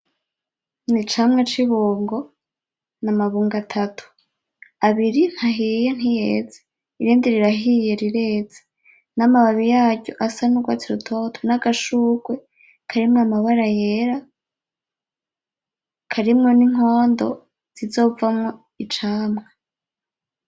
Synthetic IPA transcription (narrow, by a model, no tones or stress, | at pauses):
nit͡ʃaːmŋat͡ʃiβoːŋɡo̞ | namaβuːŋɡatʰatʰu̥ | aβiɾin̥haɦijen̥hijeːze̥ | iɾiːndiɾiɾaɦije̞ɾiɾe̞ːze̥ | namaβaβijaːɟo̰ʔasanuɡwaːt͡siɾutʰo̞tʰonaɡaʃuːɡwe | kʰaɾimŋamaβaɾajeɾa | kʰaɾimŋo̞niŋ̥o̞ːndo̞̰ | z̥izo̞ːvamŋo̞ | it͡ʃaːmŋa